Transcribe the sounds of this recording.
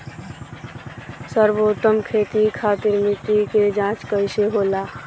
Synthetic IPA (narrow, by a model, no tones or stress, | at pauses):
səɾboːt̪ːəmkʰeːt̪ikʰaːt̪ɪɾmɪt̪iked͡ʒãːt͡ʃkəɪseɦoːlaː